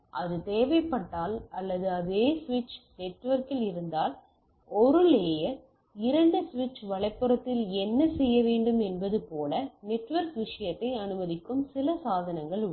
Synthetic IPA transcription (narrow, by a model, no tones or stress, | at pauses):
ʔɐðɯt̪eːʋɐɪpːɐʈːaːlɐlːɐðɯɐðeːsʋɪt͡ʃnɛʈːʋɐɾkɪlɪɾɯnd̪aːl | ɔɾɯleːjɐɾ | ɪɾɐɳɖɯsʋɪt͡ʃːʋɐɭɐɪpːɯɾɐt̪ːɪlɛnːɐsɛjːɐʋeːɳɖɯmɛnbɐðɯpoːlɐnɛʈːʋɐɾkʋɪʂɐjɐt̪ːɐɪɐnɯmɐðɪkːɯmsɪlɐsaːðɐnɐŋɡɐɭ